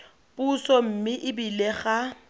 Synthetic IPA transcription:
pusɔm̩mɪʔɪbileχa

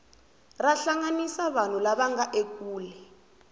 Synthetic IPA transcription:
raɬaŋanisaβan̤ulaɓaŋaʔek̬ʼuːlɛ

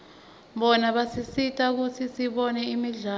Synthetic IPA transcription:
ɓɔnaɓasisitʼak̬utʰisiɓɔnɛimiɮaː

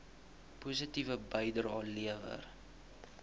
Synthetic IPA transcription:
pus̬ətivəbəjdəɾɑːliəvə̰r

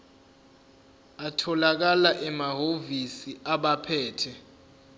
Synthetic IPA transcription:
atʰɔlak̬alaʔɛmaɦovisiaɓapʰɛːtʰɛ

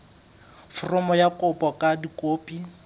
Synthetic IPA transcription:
fʊrʊmɔjakʼʊpʼɔkʼadikʼoːpʼi

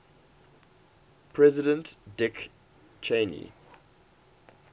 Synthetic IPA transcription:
pʰɹɛzɪdə̃ntd̥ɪk | t͡ʃʰẽnḭ

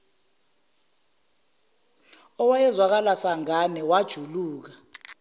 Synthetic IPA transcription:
ɔwajɛzwak̬alasaŋanɛwad̥ʒ̥ʱuluːk̬ḁ

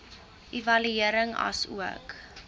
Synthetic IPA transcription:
ʔivɐlyiəɾəŋɐ̰sṵək

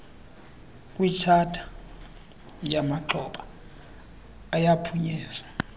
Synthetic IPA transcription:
kʼwit͡ʃʰatʰḁ | jamaǃʰɔɓa | japʰuɲɛːzwa

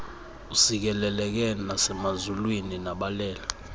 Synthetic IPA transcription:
usik̬ɛlɛlɛk̬ɛnasɛmazulwininaɓalɛːla

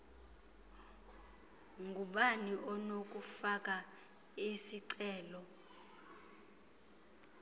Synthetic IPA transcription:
ŋɡʱuɓaniʔɔnok̬ʼufakʼa | isiǀɛːlɔ

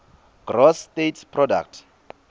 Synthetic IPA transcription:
ɡ̥rɔstetʰpʰrɔda̰k̚tʰ

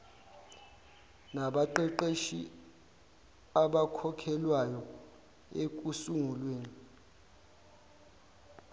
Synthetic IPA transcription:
naɓaǃɛǃeʃi | aɓakʰɔkʰɛlwajɔ | ek̬ʼusuŋulweːni

